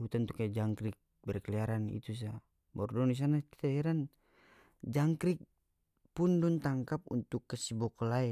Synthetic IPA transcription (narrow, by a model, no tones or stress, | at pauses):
ut̪ant̪ukajad͡ʒaŋkɾik̚ | bɛrkɛliaɾanḭt̪us̬a | bɔrdɔnis̬anaki̥t̪aɛɾan | d͡ʒaŋkɾik̚ | pundunt̪aŋkap̚ṵnt̪ukːəsibɔkɔlaɛ